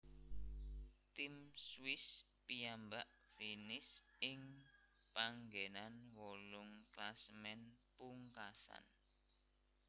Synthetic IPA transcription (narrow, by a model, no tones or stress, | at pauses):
t̪imswɪs | pijambaʔfinɪsɪŋ | paŋɡenanwɔlʊŋklasmɛnpuŋkasa̰n